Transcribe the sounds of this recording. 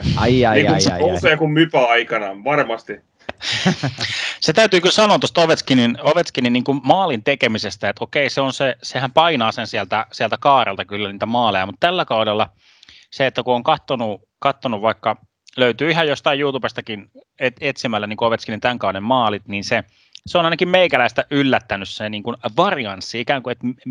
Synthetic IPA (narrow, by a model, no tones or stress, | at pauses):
ɑjɑiːkuuseːkummypæɑikɑnɑʋɑrmɑst̪i | set̪æyt̪yːkylsɑnoːt̪ost̪oʋet̪skininoʋet̪skininiːŋkummɑːlint̪ekemisest̪æet̪okeiseonsesehæmpɑinɑːsensiælt̪æsiælt̪ækɑːrḛlt̪ɑkylːæniːt̪æmɑːlejɑmut̪t̪ælːækɑudelːɑ | seet̪ːækuoŋkɑt̪ːonu | kɑt̪ːonuʋʋɑikːɑ | løyt̪yːiɦhɑjost̪ɑijjuːt̪ubest̪ɑkin | et̪et̪simælːæniŋkuoʋet̪skinint̪æŋkɑudemmɑːlit̪niːnse | seonɑinɑkimmeikælæist̪æʔylːæt̪ːænysseniːŋkunʋɑriɑnsːiikæːŋkuet̪